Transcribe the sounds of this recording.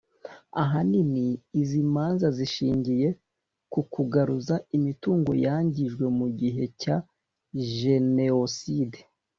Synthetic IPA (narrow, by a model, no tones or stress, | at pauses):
a̰ɦaniniːzimaːnzaziʃiːɲɟije̞ | kukʰuɡaɾuzaimituːŋɡo̞̰jaːɲɟiʒɡwe̞muɟiɦe̞ca | ʒe̞neoside